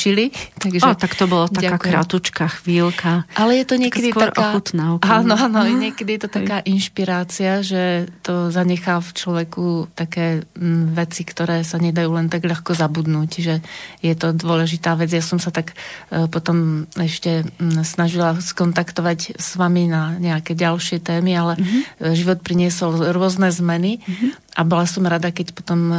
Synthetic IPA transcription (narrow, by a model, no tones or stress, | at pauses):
t͡ʃilit̪aɡʒɛt̪akt̪ɔbɔlataakaːkɾa̰t̪ut͡ʃkaxʋiːlkaʔalɛjɛt̪ɔɲɪɛkɛd̪iaɾkaːxut̪naaːnɔanɔjɛɲɪɛkɛd̪ijɛt̪ɔt̪akaːʔinʃpiɾaːt͡siaʒɛt̪ɔzaɲɛxaːft͡ʃlɔʋɛkut̪akɛːʋɛt͡sikt̪ɔɾɛːsaɲɛd̪ajuːlɛnt̪aɡʎaxkɔzabud̪nuːcʒɛjɛt̪ɔd̪ʊɔlɛʒit̪aːʋɛd͡zjasɔmsat̪akpɔt̪ɔmɛʃcɛsnaʒilaskɔnt̪akt̪ɔʋacsʋaminaɲɛakɛːɟalʃɪɛt̪ɛːmialɛʒiʋɔt̪̚pɾiɲɪɛsɔlɾʊɔznɛːzmɛniʔabɔlasɔmɾad̪akɛcpɔ̥t̪ɔm